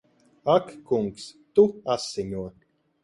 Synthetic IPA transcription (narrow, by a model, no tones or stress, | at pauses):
akːuŋkst̪uasiɲuɔ